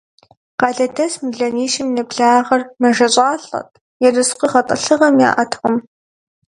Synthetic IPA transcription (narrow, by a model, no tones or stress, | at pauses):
qɑːɮɐdɐsmɨɮɐniːʃɪmnɨpɮaːʁɐrmɐʒɐɕʷʼɑːɬʼɐ̰tʼ | jɛrɨsqʷiχɐtʼɨ̰ɬɨʁɐmja̰ːʔɐtʰʁʷʊm